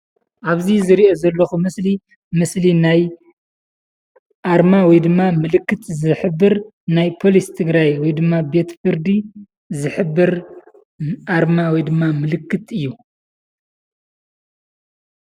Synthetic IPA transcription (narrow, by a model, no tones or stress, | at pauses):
ʔaβzizɨɾiʔo̞zɐlːɐxumɨsli | mɨslinaj | ʔaɾmawɔjd̪ɨmːamɨlɨkːɨt̪zɨħɨbːɨɾ | najpʰo̞list̪ʰɨɡɾajwɔjd̪ɨmːabe̞t̪fɨɾd̪i | zɨħɨbːɨɾ | ʔaɾmawɔjd̪ɨmːamɨlɨkːɨt̪ɨjːu